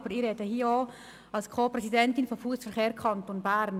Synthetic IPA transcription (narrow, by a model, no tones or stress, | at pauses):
bəɾiɾɛtəhiːoː | ɑlskʰoːpɾɛsidɛntɪnfɔmfuəsfəɾkeːɾkʰɑntonbæɾn